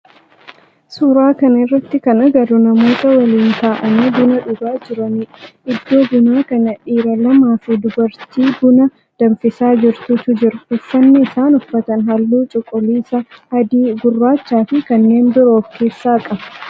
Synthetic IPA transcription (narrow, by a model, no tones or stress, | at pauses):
suːɾaːkɐnɐɪrːɐt̪ːɪkɐnɐɡɐɾʊnɐmo̞ːt̪ɐwɐliːnt̪aːʔɐniːb̪ʊnɐᶑʊɡaːd͡ʒɪɾɐnɪᶑʔɪd̪ːo̞ːbʊnaːkɐnɐᶑiːɾɐlɐmaːfid̪ʊbɐɾt̪iːbʊnɐ | d̪̥ɐɱfɪsaːd͡ʒɪɾt̪ʊt̪ʊd͡ʒɪɾʊfːɐnːɪɪsaːnʊfːɐt̪ɐnɦɐlːuːt͡ʃʼɔkʼːɔliːsɐɐd̪iːɡʊrːaːt͡ʃːaːfɪkɐnːe̞ːnbɪɾo̞ːfke̞ːsːaːkʼɐbɐ